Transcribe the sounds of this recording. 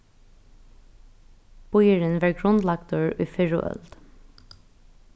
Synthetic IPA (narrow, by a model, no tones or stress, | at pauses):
b̥ʊjəɹənʋæːɹɡɹʊnlɑɡd̪ʊɹy̰ːfɪɹʊ̰ʔœ̰ld̪̥